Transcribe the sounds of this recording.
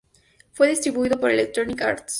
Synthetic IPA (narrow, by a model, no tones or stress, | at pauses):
fweðist̪ɾiβuiðopoɾelek̚t̪ɾonika̰ɾt̪s